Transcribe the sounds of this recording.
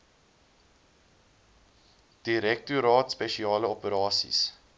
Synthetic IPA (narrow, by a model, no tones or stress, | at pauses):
d̥iɾɛk̚tuɾɑːtspɛʃiɑːləɔpəɾɑːsḭs